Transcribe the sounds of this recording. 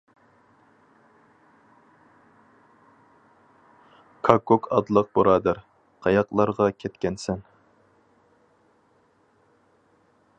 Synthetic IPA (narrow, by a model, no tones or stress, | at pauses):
kʰɑkokʰɑd̪lˠəq̚boɾɑːd̪æɾ | qʰɑjɑqlˠɑɾʁɑkʲʰɛt̪kʲɛnsɛn